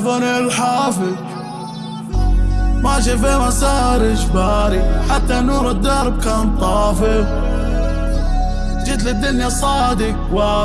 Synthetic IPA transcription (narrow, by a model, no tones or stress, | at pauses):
vanɪlħaːfɪð | mad͡ʒɪveːmasahɾɪʃbaːɾiħat̪ːanuːɾɪd̪ːɑɾˤb̚kaːnt̪ˤɑːfɪ | d͡ʒɪt̪lɪd̪ːʊnjasˤɑːd̪ɪkwa